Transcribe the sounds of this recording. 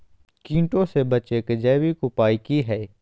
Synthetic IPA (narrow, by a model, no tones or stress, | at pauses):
kĩːɳʈõːseːbət͡ʃeːkd͡ʒɛːʋiːkopaːikiːɦɛː